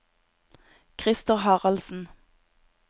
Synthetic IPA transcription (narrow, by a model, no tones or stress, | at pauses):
kʰʁɪst̪ɔhɑʁɑlsn̩